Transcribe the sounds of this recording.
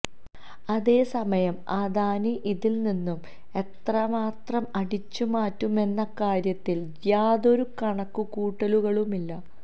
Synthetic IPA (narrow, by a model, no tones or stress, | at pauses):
ɐðe̞ːsɐmɐjɐmɐðaːniʔiðilninːum | e̞t̪rɐmaːt̪rɐmɐɽit͡ɕːumaːtːume̞nːɐkaːɾjɐt̪ːil | jaːðo̞ɾukɐɳɐkːukuːʈːɐluɣɐɭumilːɐ